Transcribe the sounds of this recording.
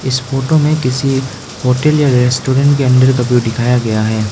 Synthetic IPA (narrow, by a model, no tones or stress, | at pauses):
ɪsfoːʈomẽkɪsi | hoːʈəljaɾɛsʈoːɾɛ̃ɳʈkeɐ̃nd̪əɾkɐpjuɖɪkʰaːjaɡɐjaɦɛː